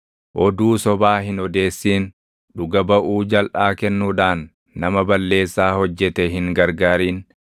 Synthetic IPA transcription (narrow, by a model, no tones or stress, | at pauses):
ʔɔd̪uːsɔbaːɦɪnɔd̪e̞ːsːiːn | ᶑʊɡɐbɐʔuːd͡ʒɐlʔaːkɛnːuːᶑaːnː | ɐmɐbɐlːe̞ːsːaːhɔd͡ʒːɛt̪ɛɦɪŋɡɐɾɡaːɾiːn